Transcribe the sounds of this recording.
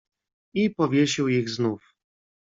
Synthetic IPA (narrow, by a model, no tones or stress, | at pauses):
ipɔvʲjeɕiwiɣznuf